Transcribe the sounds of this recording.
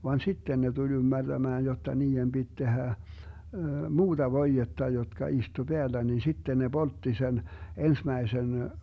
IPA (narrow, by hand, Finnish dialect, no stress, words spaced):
ʋɑn sitːen ne tulʲ ymːærd̥æmæːn jotːɑ niːem b̥it tehæ muːd̥ɑ ʋoijetːɑ jotkɑ istu b̥eælːæ nin sitːen ne b̥oltːi sen ensmæisen